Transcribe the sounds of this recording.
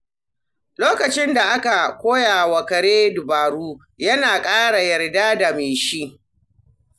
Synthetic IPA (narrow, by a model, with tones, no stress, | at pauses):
loː˦kɐ˨t͡ʃɪ˦nda˨ʔa˦ka˨kʷoː˦jaː˨wɐ˨kɐ˨ɽeː˦dʊ˨baː˨ɽuː˦ | jɐ˦naː˨kʼaː˦ɽa˨jɐ˨rdaː˦da˨meː˨ʃi˦ʔ